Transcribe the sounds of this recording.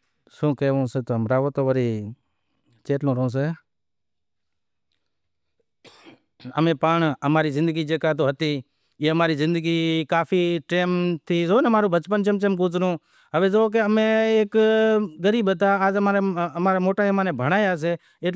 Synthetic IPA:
sõːkeːʋõːseːt̪oːɦəmɾaːʋoːt̪oːʋəɾiː | t͡ʃeːʈlõːɾõːs̬eː | əmẽːpaːɳəmaːɾiːzɪ̃nd̪əɡiːd͡ʒeːkaːt̪oːɦət̪iː | eːəmaːɾiːzɪ̃nd̪əɡiːkaːfʰiːʈeːmt̪ʰiːzoːnmaːɾũːbət͡ʃpənt͡ʃəmt͡ʃemkoːt͡sɾũː | ɦəʋeːzoːk̬eəmẽːeːkɡəɾiːbət̪aːd͡ʒəmaːɾeəmaːɾaːmoːʈaːemaːnẽːbʱəɽ̃aːjaːs̬eː | eː

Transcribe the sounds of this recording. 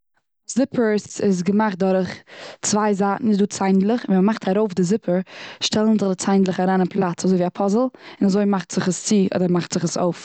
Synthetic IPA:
zɪpʰəɾsɪz̬ɡəmaχt̚dɔɾχt͡svaɪzaːtn̩ɪtduːt͡saɪndlˠəχviːməmaχtʰaɾoʊfdɪzɪpʰəɾʃtʰɛlˠənzɪdɪt͡saɪndlˠəχaɾaːnapʰlˠat͡sazoɪviːapʰɔzl̩ˠɪnazoɪmaχtz̥ɪχəst͡siːʔɔ̰dəɾmaχtz̥ɪχəso̰ʊf

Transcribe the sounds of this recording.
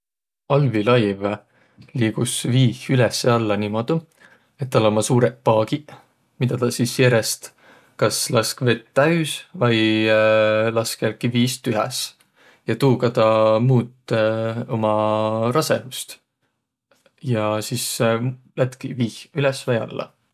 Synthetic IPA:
ɑlvilɑjv | liːɡ̥usviːhylɛsːe̞ɑlːɑnimod̪̥u | e̞t̪̚ːɑlomɑsuːɾepɑːɡ̥i | mid̪̥ɑt̪ɑsisjeɾest̪ | kɑslɑskve̞t̪ːæysvɑj | lɑskelkiviːst̪yɦɛ̰s | jɑt̪uːkɑt̪ɑmuːt̪ːˑ | o̞mɑɾɑse̞ɦust̪ | jɑsis | læt̪kiviːhylɛsvɑjɑ̰lːɑ̰

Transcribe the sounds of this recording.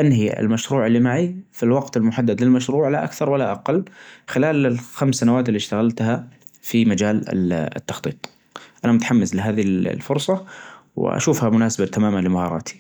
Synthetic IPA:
ʔanɦiɪ̰lmaʃɾuːʕɪlːimaʕifilwɑɡt̪ɪlmʊħad̪ːad̪lɪlmaʃɾuːʕlaʔa̰kθɑɾˤwalːaʔaqɑlːxɪlaːlɪlxamsːanawaːt̪ɪlːiʃt̪aɣalt̪ha | fimad͡ʒaːl̰ɪ̰t̪ːɑxt̪ˤiːt̪ˤ | ʔanamʊt̪aħamːɪzlɪɦaːðil̰lfʊɾˤsˤɑw̰ʔa̰ʃuːfhamʊnaːsabat̪amaːmanlɪmahɑːɾˤɑ̰ːt̪ʰi̥

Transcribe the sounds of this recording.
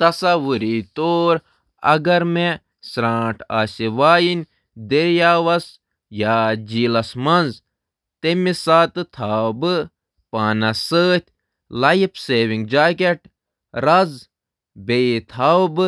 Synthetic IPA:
t̪ɐsɐʋuɾit̪oːɾ | ɐ̰ɡɐɾme | sɾãːʈʰasiʋaːjinʲ | d̪eɾjaːʋɐs | jaːd͡ʒiːlɐsmɐnz | t̪emisaːt̪ɨt̪ʰaːbɨ | paːnɐsəːt̪ʲ | lɐjipʰseːʋiŋɡd͡ʒaːkeʈ | ɾɐz | bet̪ʰawbɨ

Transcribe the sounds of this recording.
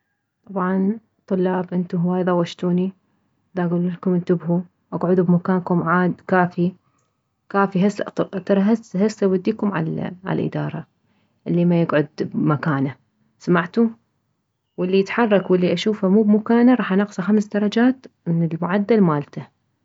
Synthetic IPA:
t̪ˤɑbʕɑn | t̪ˤʊlːɑːbʔɪnt̪uɦwaːjðˤɑwaʃt̪uːni | ðaʔɡulʊlkʊmɪnt̪ɪbhu | ʔaɡʕʊd̪ubmakaːnkʊmʕaːd̪kaːfi | kaːfiɦasːat̪t̪ɑɾˤɑɦashasːawɪd̪ːiːkʊmʕa̰lʕa̰lʔɪ̰d̪ɑ̰ːɾˤɑ | ʔɪlːimajɪɡʕʊd̪makaːna | samaʕt̪u | wɪlːijɪt̪ħɑrˤːɑkwɪlːiʔaʃuːfamuːbmakaːnaɾˤɑːħʔanɪqsˤaxamsd̪ɑɾˤɑd͡ʒaːt̪ | mɪnɪlmʊʕad̪ːalmaːlt̪a

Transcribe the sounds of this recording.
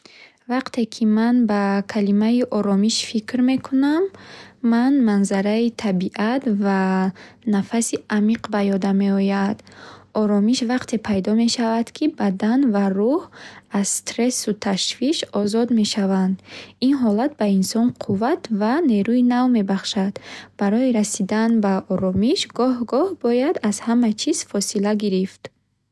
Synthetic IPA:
vaqt̪ʰe̞kʰimanbakʰalimaiʔɔɾɔmiʃfikɾme̞kʰunamː | anmanzaɾait̪ʰabiʔat̪vanafasiamiqbajɔd̪ame̞ɔjad̪̥ɔɾɔmiʃvaqt̪ʰe̞pʰajd̪ɔme̞ʃavad̪kʰibad̪anvaɾuhazst̪ɾe̞sut̪ʰaʃviʃɔzɔd̪me̞ʃavand̪inɦɔlat̪̚bainsɔnqʰuvat̪vane̞ɾuinavme̞baχʃad̪̥b̥aɾɔiɾasid̪anbaɔɾɔmiʃɡɔhɡɔhbɔjad̪azhamat͡ʃʰiz̥fɔsilaɡiɾift̪

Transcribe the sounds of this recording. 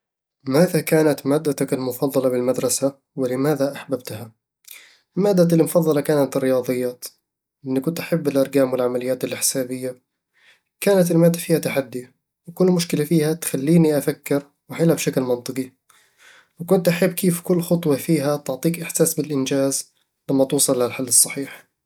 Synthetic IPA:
maːðakaːnat̪maːd̪ːat̪akalmʊfɑðˤːɑlɑbɪlmad̪ɾˤɑsa | wɪlɪmaːðaʔaħbab̚t̪ha | maːd̪ːaɪlmʊfɑðˤːɑlɑkaːnat̪rːɪjɑːðˤɨjːaːt̪ | ʔɪnːikʊnt̪ʔaħabːɪlʔɑɾˤɡaːmwɪlʕamalɪjːaːt̪ɪlɪħɪ̥saːbɪjːa | kaːnat̪ɪlmaːd̪ːafiːhat̪aħad̪ːi | wkʊlːmʊʃkɪlafiːhat̪xalːiːniʔafakːɪɾ | wɪħɪlabʃaklmɑnt̪ˤɨqi | wɪkʊnt̪ʔaħabːkeːfkʊlːxʊt̪ˤwɑfiːɦat̪ɪʕt̪ˤiːkʔɪħsaːsbɪlʔɪnd͡ʒaːz | lamːat̪uːsˤɑlːaalħalːɨsˤːɑħiːħ

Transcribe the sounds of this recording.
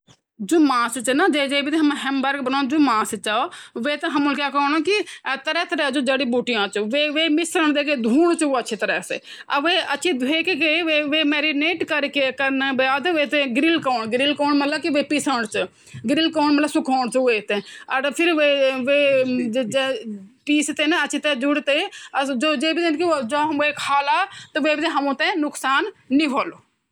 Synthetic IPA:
d͡ʒoːmãːst͡ʃnaːd͡ʒeːd͡ʒeːbiːt̪ẽɦəmɛ̃ɦɛmbəɾɡbənõːd͡ʒoːmãːst͡ʃaoʋeːt̪ãːɦəmʊlkjaːkːnõːkɪt̪əɾɛːt̪əɾɛːd͡ʒoːd͡ʒeːɽiːbuːʈɪjãːt͡ʃʋeːʋeːmɪsɾəɳd̪eːkeːd̪ʱuːɽt͡ʃoːəːʃʰeːt̪əɾɛːsḛː | əʋeːətːʃʰiːeːkekeʋeːʋeːmeːɾiːneːʈkəɾkekəɾneʋeːad̪ʋeːt̪ẽːɡɾɪlkaːɳɡɪɾɪlkɔːɳmət̪ləbkiʋeːpisəɳt͡ʃə | ɡɾilkoːɳ̃mɐt̪ləbsʊkʰoːɽ̃t͡ʃueːt̪ẽɐɾpʰɪɾʋeʋe | piːst̪enɐʃʰit̪ɛd͡ʒʊɽt̪ed͡ʒoːd͡ʒeːbit̪enkid͡ʒoekʰaːlaːt̪ɐʋeːbit̪ẽɦɐmũt̪ɛ̃nʊksaːnːiɦoːlo

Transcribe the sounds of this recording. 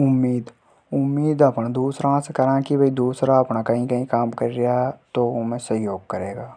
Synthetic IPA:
ʊmːiːd̪ | ʊmːiːd̪ɐpnd̪uːsɾãsekɐɾãːkibʱɐid̪uːsɾaɐpnakɐɦĩkɐɦĩkaːmkɐɾɾijaɦt̪oomẽsɐɦjoːɡ̚kɐɾeːɡaː

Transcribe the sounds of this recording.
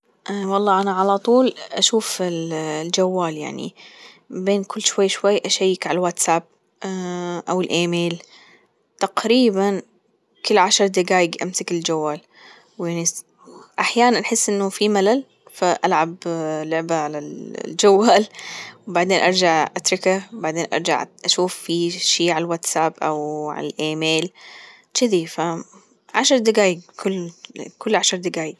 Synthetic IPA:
ʔwɑlˤːɑːʔanaʕalat̪ˤuːlʔaʃuːfɪlld͡ʒawːaːlja̰ʕnḭ | beːnkʊlːʃwajːʃwajːʔaʃajːɪkʕalwat̪saːb̚ | ʔawɪlʔeːmeːl | t̪aqɾiːban | kɪlːʕaʃɑɾˤd̪ɪɡaːjɪɡʔa̰msakɪld͡ʒawːaːl | wjaʕni | ʔaħjaːnanʔaħɪsːʔɪnːʊfimalal | faʔalʕablʊʕbaʕalald͡ʒawːaːlwbaʕd̪eːnʔɑɾˤd͡ʒaʕʔat̪ɾˤɪkawbaʕd̪eːnʔɑ̰ɾˤd͡ʒa̰ʕʔaʃuːfːiʃiːʕalwat̪sabʔa̰wʕa̰lalʔeːmeːl | t͡ʃɪðifa | ʕaʃɑɾˤd̪ɪɡaːjɪɡkʰʊlːkʊlːʕaʃɑɾˤd̪ɪɡaːjɪɡ̚

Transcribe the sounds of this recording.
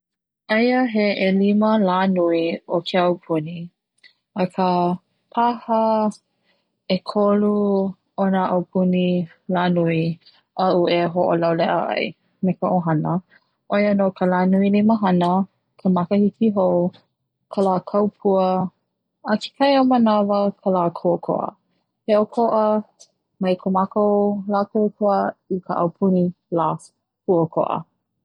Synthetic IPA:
ʔejəɦeʔeliməlaːnuiokʰeawpʰuni | əkʰə | pʰahə | ekʰolu | onəʔawpʰuni | laːnui | ɐʔuʔeɦoʔolawlɛʔə̰ʔɐ̰j | mekəʔoɦɐnə | ʔojənokʰəlaːnuiliməɦɐnə | kʰəmakəhikiɦo | kʰəlaːkʰawpʰuə | əkʰe̥kʰajomənavəkʰəlaːkʰuəkʰo̰ʔə̰ | heʔokʰoʔə | mɐjkʰomakolakʰuəkʰuəikʰəʔɐwpʰuni | laː | pʰuəkʰo̰ʔə̰

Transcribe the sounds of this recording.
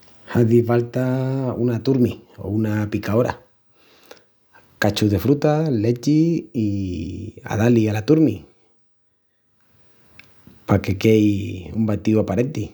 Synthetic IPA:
haðiβalt̪aunat̪uɾmio̰unapikaoɾa̰ | kat͡ʃuðe̞fɾut̪alet͡ʃiː | a̰ðalialat̪uɾmi | pake̞kejumbat̪iuapaɾent̪i

